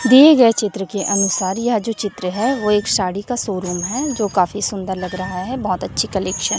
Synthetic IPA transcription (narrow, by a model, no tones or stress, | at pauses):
d̪ieɡɐet͡ʃɪt̪ɾəkeʔɐnʊsaːɾjaɦd͡ʒoːt͡ʃɪt̪ɾəɦɛʋoeːkʃaːɽikasoːɾuːmɦɛd͡ʒoːkaːfisʊ̃nd̪əɾlɐɡɾɐɦaɦɛbɔɦːt̪ɐtːʃʰikɐleːkʃən